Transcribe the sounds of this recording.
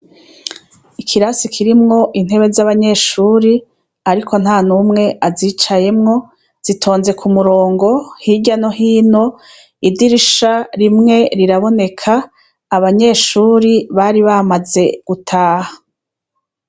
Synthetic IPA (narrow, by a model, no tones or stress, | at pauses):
ikʰiɾasikʰiɾimŋo̞ʔin̥e̞βe̞zaβaɲe̞ːʃuːɾi | aɾikʰo̞n̥haːnumŋe̞ʔaziːt͡ʃaje̞mŋo̞ | z̥itʰo̞ːnze̞kʰumuɾoːŋɡo̞hiɟano̞ɦiːno̞ | idiɾiʃaɾimŋe̞ɾiɾaβo̞ne̞kʰaː | βaɲe̞ːʃuːɾiβaɾiβamaze̞ɡ̥utʰaːhḁ